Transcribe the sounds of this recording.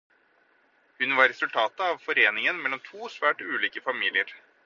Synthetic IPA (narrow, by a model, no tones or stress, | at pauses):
hʉnʋɑɾɾɛsʉlt̪ʰɑːt̪əɑʋfɔɾeːnɪŋənmɛlːɔmt̪ʰuːsʋæːʈʉːliːkəfɑmiːlɪəɾ